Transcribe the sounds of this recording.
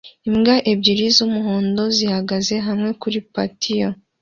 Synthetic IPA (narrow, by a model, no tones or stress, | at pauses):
imɡaʔebɟiɾizumuɦoːndo̞zihaɡaze̞ɦamŋe̞kuɾipa̰tʰijo